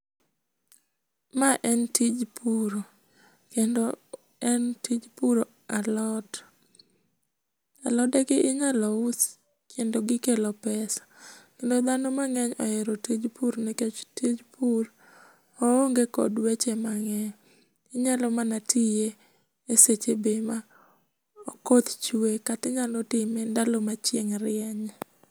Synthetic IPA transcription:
maʔɛntid͡ʒpʰuɾo | kendo | ɛntid͡ʒpuɾo | alɔt | alɔdɛɡɪʔɪɲalɔʊs | kʰendoɡɪkelɔpɛsḁkendod̪anɔmaŋɛɲɔeɾotid͡ʒpuɾniket͡ʃtid͡ʒpur | ooŋɡekɔ̰dwet͡ʃemaŋɛɲ | ɪɲalɔmanatije | eset͡ʃebema | ɔkot̪t͡ʃuekatɪɲalɔtɪmendalomat͡ʃjeŋɾɪɛɲ

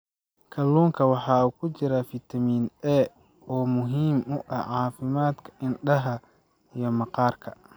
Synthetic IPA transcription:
kʰɐlːuːŋkʰɐwɑħɑːuːkʰʊt͡ʃɪɾafɪt̪ʰɐmiːnɛ | ɔːmʊɦiːmʊʔɐʕɑːfɪmaːd̪kʰɐ̥ʔɪnɖɐɦɐ | ijɞmɑqɑːrkʰɐ

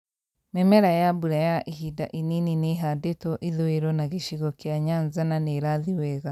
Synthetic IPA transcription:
memeɾajabuɾajaʔihidaʔininineɦadetoʔiðoeɾɔnaɣiʃiɣɔkjaɲanzananeɾaðiweɣa

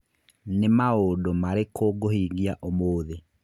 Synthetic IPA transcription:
nemaodomaɾekʰoɡohiɣiaʔomoːðe

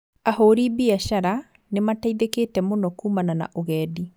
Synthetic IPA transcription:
ahoɾibiaɕaɾa | nemataiðekeːtɛmonɔkuːmanana̰ʔoɣɛːdi

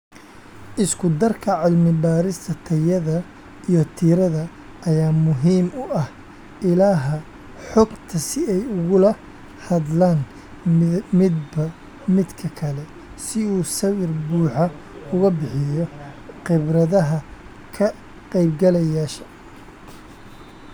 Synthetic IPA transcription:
ʔɪskʰʊd̪ɐrkʰɐʕɪlmɪbaːɾɪst̪ʰɐt̪ʰɐjɐðɐ | ijɞt̪ʰiːɾɐðɐ | ʔɐjaːmʊɦiːmʊʔɐh | ʔɪlaːɦɐ | ħɔɡt̪ʰɐsɪɛjʊɣʊlɐ | hɐðlaːn | mɪd̪bɐ | mɪd̪kʰɐkʰɐlɛ | sɪuːsɐwɪrbuːħɑ | ʊɣɐbɪħɪjɔqɪbrɐðɐɦɐ | kʰɐ | qɛjbɡɐlɐjaːʃɐ̥

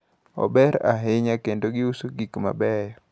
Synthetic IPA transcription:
ɔ̰bɛɾaɦɪɲakendoɡɪusoɡikma̰bɛjɔ

